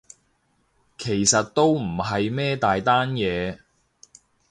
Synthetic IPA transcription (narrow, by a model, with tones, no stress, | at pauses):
kʰe˨˩jsɐ˨t̚t̪o˥wm̩˨˩ɦɐ˨jmɛː˥t̪aː˨jt̪aː˥njɛː˨˧